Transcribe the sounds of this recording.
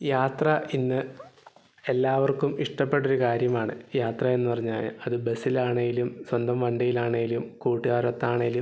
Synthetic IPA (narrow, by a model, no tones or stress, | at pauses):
jaːt̪rɐʔinːɨ | elːaːʋɐrkumiʂʈɐpːe̞ʈːo̞ɾukaːɾjɐmaːɳɨjaːt̪rɐe̞nːɨpɐrɐɲːaːlɐðɨbe̞silaːɳɐŋɡilumswɐnd̪ɐmʋɐɳɖɐjilaːɳɐŋɡilumkuːʈːiaːɾɐt̪ːaːɳɐjilu